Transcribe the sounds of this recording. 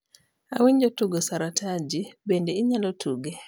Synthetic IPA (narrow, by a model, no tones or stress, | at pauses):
a̰wiɲd͡ʒɔtuɡɔsaɾatʰad͡ʒibɛndɛiɲalɔtʰuɡɛ